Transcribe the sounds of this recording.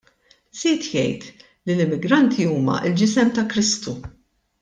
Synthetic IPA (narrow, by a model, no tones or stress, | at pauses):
z̥iːt̪jɛ̰jt̪ | lilɪmːɪɡɾɐnt̪ʰiuːmɐ̰ʔɪld͡ʒɪsɛmt̪ɐkɾɪst̪u